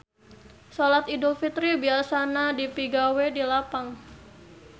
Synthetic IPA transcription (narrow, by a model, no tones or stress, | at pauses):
solat̪idulfit̪ɾibiasanadipiɡawedilapaŋ